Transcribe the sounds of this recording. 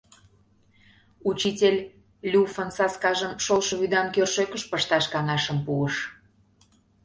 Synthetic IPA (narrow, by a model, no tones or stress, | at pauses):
ut͡ɕitʲelʲ | lʲufənsɑskɑʒəmʃolʃə̆βyd̪ɑnkørʃøkəʃpəʃt̪ɑʃkɑŋɑʃəmpuəʃ